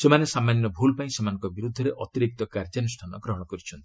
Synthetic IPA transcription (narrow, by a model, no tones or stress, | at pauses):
semanesamːanjɔbʱulpaĩsemanɔ̃ŋkɔbiɾud̪ʱːɔɾeʔɔt̪iɾik̚t̪ɔkaɾd͡ʒanusʈʰanɔɡɾɔɦɔɽ̃ɔkɔɾit͡ʃʰɔnt̪i̥